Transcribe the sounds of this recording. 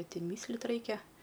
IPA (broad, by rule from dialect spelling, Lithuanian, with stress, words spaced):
nʲɪ ˈtʲɛn mʲiːsˈlˠt ˈrɐɪkʲɛ